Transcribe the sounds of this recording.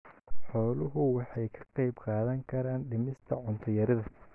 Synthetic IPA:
ħɔːlʊɦʊwɑħɑjkʰɐ̥qɑjbqɑːðɐŋkʰɐɾaːnɖɪmɪst̪ʰɐʕʊnt̪ʰɐjɐɾɐðɐ

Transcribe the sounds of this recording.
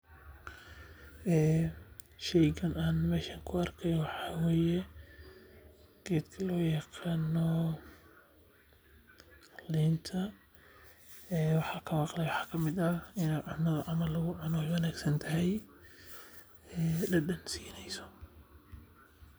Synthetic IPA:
ʔɛː | ʃɛjkʰɐnaːnmɛːʃɐŋkʰʊɐrkʰɛjwɑħɑːweːjɛ | ɡ̥ɛːd̪kʰɐlɔːjɐqaːnɔ | liːnt̪ʰɐ | ɛːwɑħɑːkʰɐwɑqlɛjwɑħɑːkʰɐmɪd̪ɐɪnɛʕʊnɐðɐʕʔɑmɐlːɐɣʊʕʊnɔjwɐnaːɡsɐnt̪ʰɐɦɛj | ɛːlɐɗɐnsiːnɛjsɔ̥

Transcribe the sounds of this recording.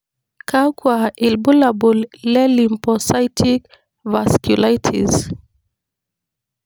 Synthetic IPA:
kʰakwailbulabulːɛlimpɔsajtʰik | vaskjulajtʰḭz

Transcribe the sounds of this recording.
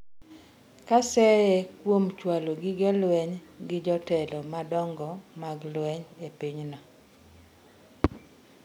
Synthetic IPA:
kasɛjɛkwomt͡ʃwaloɡɪɡɛlwɛɲɡɪd͡ʒɔtɛlɔmadɔŋɡɔmaɡlwɛɲepiɲnɔ

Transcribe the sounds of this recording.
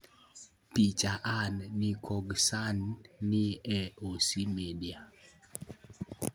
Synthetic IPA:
pit͡ʃaʔanːikʰɔɡsanːiɛosimedia

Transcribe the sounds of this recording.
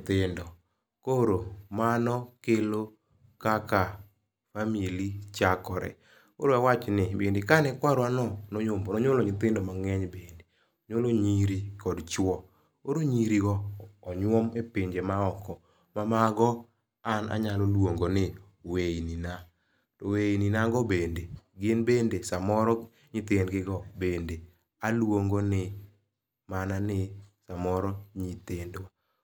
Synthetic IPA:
t̪ɪndɔ | koɾomanɔkelo | kaka | familit͡ʃakɔɾɛ̰ | ko̰ɾoawat͡ʃnɪbendɪkanɛkwaɾwanɔnoɲomnoɲolɔɲɪt̪ɪndɔmaŋɛɲbende | ɔɲoloɲiɾikɔdt͡ʃwɔ | oɾoɲiɾiɡɔːɲwɔmepɪɲd͡ʒemaɔkɔ | mamaɡɔ | ana̰ɲalolwoŋɡonɪ | weinina | toweininaɡɔbendeɡɪnbendesamɔɾɔ | ɲɪt̪ɪndɡɪɡɔbende | alwoŋɡonɪ | mananɪsamɔɾɔɲit̪ɪndwa

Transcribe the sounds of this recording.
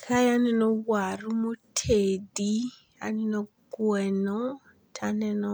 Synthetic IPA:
kʰajanɛnɔwwarumotʰedi | a̰nɛnɔɡwɛnɔ | tʰanɛnɔ

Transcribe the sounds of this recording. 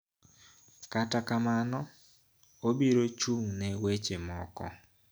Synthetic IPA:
katakamanɔ | obiɾot͡ʃuŋnɛwet͡ʃemɔ̰kɔ̰

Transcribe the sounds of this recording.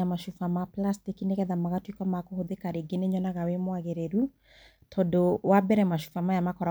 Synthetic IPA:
amaʃufamaplastikineɣɛðamaɣatwikwamakohoðekaɾeɡeneɲɔnaɣawemwaɣeɾeɾu | tʰɔdowabɛɾɛmaʃu̥famajamakɔɾa

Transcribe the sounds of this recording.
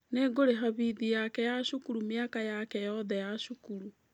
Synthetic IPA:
neɡoɾeɦaβiðijakɛjaʃukuɾumiakajakɛjɔðɛjaʃukuɾu

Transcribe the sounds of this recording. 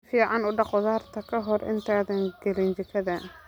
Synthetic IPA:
fiːʕɑnʊɖɑqʊðaːrt̪ʰɐkʰɐɦɔrɪ̰nt̪ʰaːðɐŋɡɛlɪnt͡ʃɪkʰɐðɐ

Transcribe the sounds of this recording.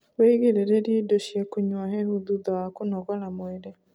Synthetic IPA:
weɣeɾeɾeɾiedoʃjɛkoɲwaɦɛhuðuðawakonɔɣɔɾamoeɾɛ

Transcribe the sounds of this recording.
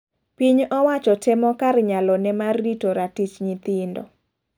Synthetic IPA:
piɲʔɔwat͡ʃɔtɛmɔkarɲalɔnɛmarditoɾatit͡ʃɲɪt̪ɪndɔ̰

